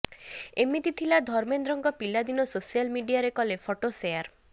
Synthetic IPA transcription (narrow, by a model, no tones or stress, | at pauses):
emit̪it̪ʰilad̪ʱɔɾmend̪ɾɔŋɡɔpilad̪inɔsosialmiɖijaɾekɔlepʰɔʈosejaɾ